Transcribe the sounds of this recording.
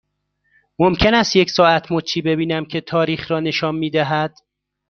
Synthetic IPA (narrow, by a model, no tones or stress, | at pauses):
momcʰe̞næst̪jecsɒːæt̪ʰmot͡ʃʰiːbe̞biːnæmcʰe̞t̪ʰɒːɾiːxɾɒːne̞ʃɒːnmiːd̪æɦæd̪̥